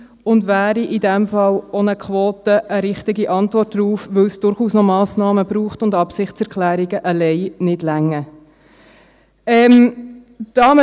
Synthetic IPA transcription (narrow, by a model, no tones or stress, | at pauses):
ʊndʋæːɾiʔɪdɛmfɑlonəkʰʋoːtəʔəɾɪχtiɡiʔɑntʋɔrt̚d̥ɾuːfʋɵwsd̥ʊɾχuːsnomɑːsnɑːməb̥ɾuːχtʊndɑpsɪχtt͡sɛɾkʰlæːɾiɡəʔəlɛɪnɪdlæŋːə | ɛːm | d̥ɑːmə